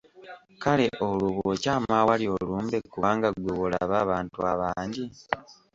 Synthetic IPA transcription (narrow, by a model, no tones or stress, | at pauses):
kale̞ʔoluβocaːmawaljo̞luːmbekːuβaːŋɡaɡwoβula̰βaβaːntuaβaːɲɟi